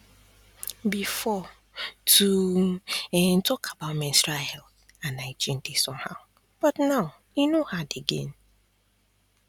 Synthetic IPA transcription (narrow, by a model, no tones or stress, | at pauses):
bifɔ | tʰu | n̩tɔkʰabaʊmɛ̃nstɹahɛlθ | ãnaɪt͡ʃĩn̩tesɔ̃mhaʊ | b̥ɔtnaʊ | inohadeɡḛ̃n